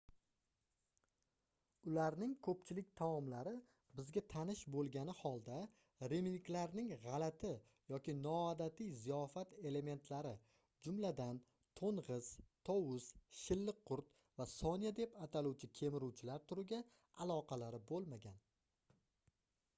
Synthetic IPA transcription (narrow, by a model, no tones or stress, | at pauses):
ʊlaɾnɪŋkʰɵpt͡ʃʰɪlɪk̚ʲt̪ʰamɒmlaɾɪ | bɪzɡʲat̪ʰanɪʃbolˠɡʲanɪhɒlˠd̪a | ɾeminklaɾnɪŋʁɑlat̪ʰɪ | jɒkʲɪnɒad̪at̪ʰijzijɒfat̪e̞le̞me̞nt̪ʰlaɾɪ | d͡ʒʊmlad̪an | t̪ʰonʁɨz̥t̪ʰɒwʊz̥ʃɪlːɪqʰːʊɾt̪̚ | vasɒnijad̪e̞pat̪ʰaluwt͡ʃʰɪkʲʰe̞mɪɾuwt͡ʃʰɪlaɾt̪ʰʊɾɪɡʲa | alˠɒqʰɑlaɾɪbolˠmaɡʲan